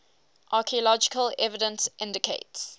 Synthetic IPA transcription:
ʔɑːˑkʰiəlɔd͡ʒɪkəlɛvɪdə̃nsʔɪ̃ndɪkʰeɪts

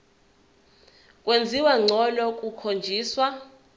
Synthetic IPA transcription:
kʼwend͡zʱiwaŋ͡ǀʱɔlɔkʼukʰond͡ʒʱiːswa

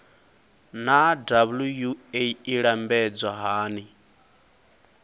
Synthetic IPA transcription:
nadaβulujueiɺambɛd͡zaɦaːni

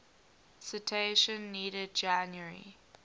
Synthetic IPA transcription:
sitʰeʃə̃nːiːɾəd̚d͡ʒãnjəɹḭ

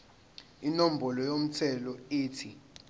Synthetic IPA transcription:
inom̩bʱɔlɔjom̩tʰɛlɔiːtʰi

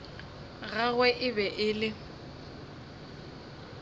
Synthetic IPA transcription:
ɣaɣwɛʔɪbɛʔɪlɪ

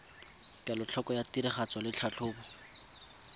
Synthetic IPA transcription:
kʼalʊt͡ɬʰɔkɔjatiɾɪχat͡sɔlɪt͡ɬʰat͡ɬʰʊːbɔ

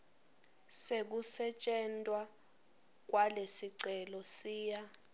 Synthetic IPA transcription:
sek̬usɛt͡ʃʼɛntʼwa | k̬walesiǀɛlɔsiːja

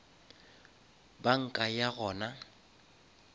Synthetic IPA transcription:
baŋ̩kʼajaɣɔːna

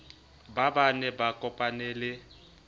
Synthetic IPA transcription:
babanɛbakʼɔpʼanɛlɪ

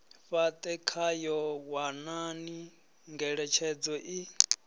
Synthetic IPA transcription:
ɸat̪ʼɛkʰajɔwanani | ŋɡɛɺɛt͡ʃʰɛd͡zɔʔi

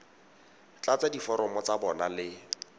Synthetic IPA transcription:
t͡ɬat͡sadifɔɾɔmɔt͡sabɔnalɪ

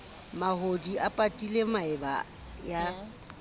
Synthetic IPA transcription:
mahodiʔapʼatʼilemaɪba̰ | ja

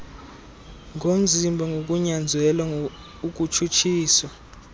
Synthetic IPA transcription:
ŋʱom̩d͡zʱimbʱɔŋɡʱok̬ʼuɲand͡zʱwɛlwa | uk̬ʼut͡ʃʰut͡ʃʰiːswa

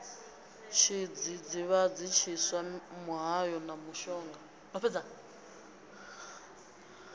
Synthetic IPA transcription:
t͡ʃʰid͡zid͡ziβad͡zit͡ʃʰiswamuɦajɔnamuʃɔːŋɡa | nɔpʰɛd͡za

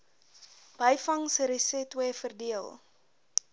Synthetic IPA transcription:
b̥əjfɐŋsəɾəsɛtwəfərdiəlˠ

